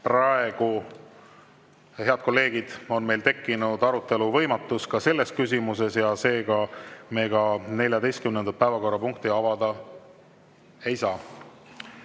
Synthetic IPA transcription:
prɑe̞ɡ̥u | he̞ɑd̪̥̚ko̞lːe̞ːɡ̥id̪̥o̞nme̞jlt̪e̞kːinud̪̥ɑɾut̪ːˑe̞luvɤ̞jmɑt̪ːˑuskɑse̞lːe̞skys̬ʲimus̬e̞sjɑse̞ːɡɑme̞ːɡɑne̞lʲjɑd̪e̞jst̪kymnend̪ɑt̪̚pævɑko̞rːɑpuŋk̚t̪iɑvɑd̪̥ɑ | ejsɑː

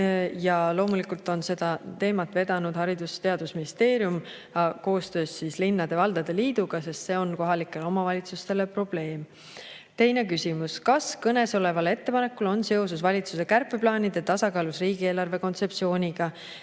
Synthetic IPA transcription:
jɑlo̞ːmulikult̪ˑo̞nse̞d̪̥ɑt̪e̞ːmɑt̪ve̞d̪̥ɑnud̪̥hɑɾid̪̥ust̪e̞ɑd̪̥usminist̪e̞ːɾjum | ɑko̞ːst̪ø̞ːssislinːɑd̪̥e̞vɑld̪̥ɑd̪̥e̞liːd̪̥uɡ̥ɑse̞st̪se̞o̞nko̞ɦɑlikːˑe̞lo̞mɑvɑlʲit̪sust̪e̞lepro̞b̥le̞ːm | t̪e̞jne̞kysimuskɑskɤne̞so̞le̞vɑle̞t̪ːe̞pɑnekːˑulo̞nse̞o̞s̬usvɑlʲit̪suse̞kærpːˑeplɑːnʲid̪̥e̞t̪ɑsɑkɑːlusriːɡieːlɑrve̞ko̞nt̪se̞psio̞ːnʲiɡ̥ɑ

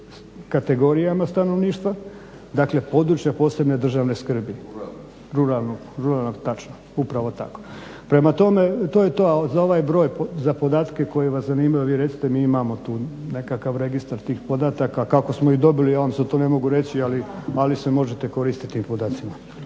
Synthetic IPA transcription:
kat̪e̞ɡo̞ɾijamast̪ano̞ʋniːʃt̪ʋa | d̪akle̞po̞d̪ɾut͡ɕjapo̞ːse̞bne̞d̪r̩ʒaːʋne̞skr̩bi | ɾuɾalˠno | ɾuɾalˠnot̪at͡ʃno | upɾaʋo̞t̪a̰ko̞̥ | pɾe̞mat̪o̞me̞t̪oːjet̪ozao̞ʋaːjbɾo̞ːjpozapo̞d̪aːt̪keko̞jeeʋaszaniːmajoʋiːɾe̞t̪si̥t̪emiːimamot̪uːne̞kakaʋɾe̞ɡist̪aɾt̪iːxpo̞d̪at̪akakako̞smoid̪o̞bilijaʋamset̪one̞mo̞ɡuɾe̞t͡ɕialialisemo̞ʒet̪eko̞ɾiːst̪i̥t̪iːmpod̪aːt̪sima

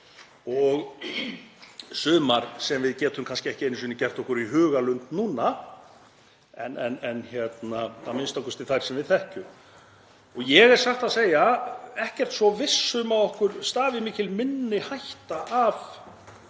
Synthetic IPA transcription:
ɔɣ | sʏːmaɾ̥sɛmvɪðcɛːt̪ʏmkʰanscɪɛhcɪenːʏsiːnɪcɛr̥t̪ɔhkʏɾiɦʏːɣalʏnt̪nuːna | ɛnɛnɛnçjɛt̪naθamɪnst̪awkʏst̪ɪlθajɾ̥sɛmvɪðθɛhcʏm | ɔɣjɛɣɛɾ̥saxt̪aðseːjaɛhcɛr̥t̪sɔvɪsːʏmaðɔhkʏɾst̪aːvɪmiːcɪlmɪnːɪhajht̪aʔaf

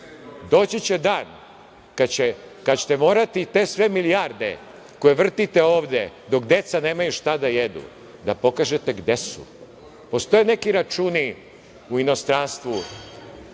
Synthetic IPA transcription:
d̪o̞ːt͡ɕit͡ɕed̪aːn | kat͡ɕe | kat͡ɕe̥t̪emo̞ːɾat̪it̪e̞ːsʋemilijaɾd̪e̞̰ | ko̞jeʋr̩t̪it̪eoːʋd̪ed̪o̞kd̪e̞t̪saneːmajuʃt̪ad̪ajed̪ṵ | d̪apo̞kaːʒet̪eɡd̪esṵ | po̞st̪o̞jene̞kiɾat͡ʃuːni | uino̞st̪ɾaːnst̪ʋu

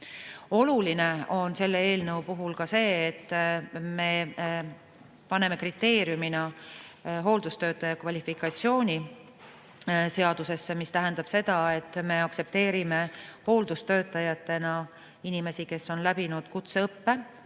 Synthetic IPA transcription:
o̞luline̞o̞nse̞lːeeːlnəwupuɦulkɑse̞ːt̪ːme̞ː | pɑne̞me̞krit̪ːe̞ːɾjuminɑ | ɦo̞ːld̪̥ust̪ø̞ːt̪ːˑɑjɑkvɑlʲifikˑɑtsio̞ːnʲi | se̞ɑd̪̥use̞sːemist̪æɦe̞nd̪̥ɑb̥se̞d̪̥ɑe̞t̪ːˑme̞ɑkse̞p̚t̪e̞ːɾime̞ho̞ːld̪ust̪ø̞ːt̪ːˑɑjɑt̪ːˑe̞nɑ | inime̞sike̞sːo̞nlæbinud̪̥kut̪seɤpːe̞

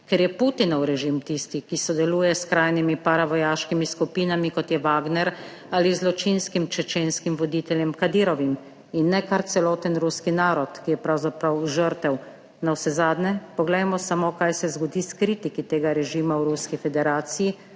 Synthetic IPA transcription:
kɛɾjɛput̪inɔwɾɛʒimt̪ist̪ikisɔd̪ɛluːjɛskɾaːjnimipaɾaʋɔjaːʃkimiskupiːnamikɔt̪jɛʋaːɡnɛɾ | aːlizlɔt͡ʃinskimt͡ʃɛt͡ʃeːnskimʋɔd̪it̪ɛljɛmkad̪iɾɔʋim | inːɛkaɾt̪sɛlɔːt̪ənɾuskinaːɾɔt̪kijɛpɾawzapɾawʒəɾt̪ɛw | nawsɛzaːd̪nɛpɔɡlɛjmɔsamokajsɛzɡɔd̪iskɾiːt̪ikit̪eːɡaɾɛʒimawɾuskifɛd̪ɛɾaːt̪siji

